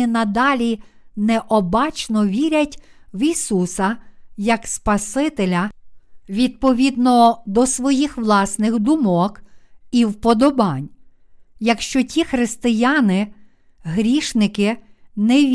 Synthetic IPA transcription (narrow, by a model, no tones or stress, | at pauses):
ɪnɐd̪ɑlʲinɛʔɔbɑt͡ʃnɔʋʲiɾʲɐtʲʋisusɐjɐkspɐsɪt̪elʲɐʋʲid̪̚pɔʋʲid̪nɔd̪ɔsʋɔjixʋlˠɑsnɪxd̪ʊmɔkiwpɔd̪ɔbɑnʲ | jɐkʃt͡ʃɔtʲixɾɪst̪ɪjɑnɪ | ɦɾʲiʃnɪkɪnɛʋʲ